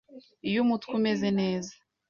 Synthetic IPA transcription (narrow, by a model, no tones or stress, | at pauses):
ijumutkume̞zene̞ːza